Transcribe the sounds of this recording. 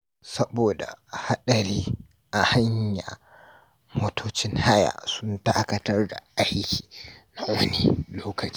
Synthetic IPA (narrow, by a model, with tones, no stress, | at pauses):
sɐ˦boː˨da̰˨ha˦ɗɐ˨ɾiː˦ | ʔa˨ha˦ɲja̰˨ | moː˦tʰoː˦t͡ʃɪ˦nha˦ja̰ː˨sʊ˦ntaː˦kɐ˨tɐ˦rda̰˨ʔa˦jkʲʰi̥ː˨na˦wɐ˦nḭ˦loː˦kɐ˨t͡ʃː